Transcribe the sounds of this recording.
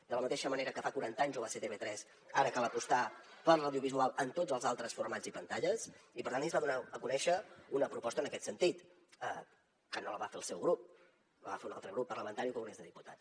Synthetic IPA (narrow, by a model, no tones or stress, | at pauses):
d̪ələmət̪eʃəməneɾəkəfakuɾant̪əaɲzoβaset̪eβet̪ɾɛz | aɾəkaləpust̪apəɾləwðiuβizualˠənt̪od͡zzəlˠzalˠt̪ɾəsfurmad͡zipənt̪aʎəsipəɾt̪ant̪izβaðunaəkunɛʃəunəpɾupɔst̪ənəkɛt̪sənt̪it̪ | ə | kənoləβafeəlˠsɛwɣɾup̚ | noβa̰feunalˠt̪ɾəɣɾupːərləmənt̪aɾiukomɣɾezðəðiput̪a